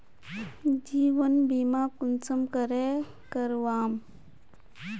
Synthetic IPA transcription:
d͡ʒiːʋənbimaːkunt͡səmkəɾe | kəɾʋaːm

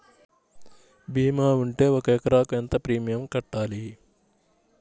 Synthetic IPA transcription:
bʱiːmaːuɳʈe̞ːɔkɐɛkɐɾaːkuent̪ɐpɾiːmijɐmkɐʈːaːli

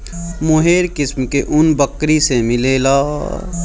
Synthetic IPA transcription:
mʊɦeːɾkɪsmkeʔʊnbəkɾisemɪleːlaː

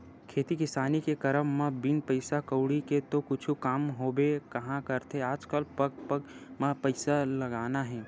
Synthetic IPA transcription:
kʰeːt̪ikɪsaːnikekɐɾəmːãbɪnpɐɪsakəʊɽiket̪okʊt͡ʃʰukaːmɦoːbekɐɦãkɐɾt̪eaːd͡ʒkəlpɐɡ̚pəɡmãpɐɪsalɐɡaːnaɦɛ̃ː

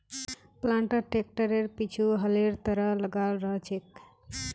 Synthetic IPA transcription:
plaɳʈəʈek̚ʈəɾeɾpit͡ʃʰuɦəleɾt̪əɾəɦləɡalɾəɦt͡ʃʰek̚

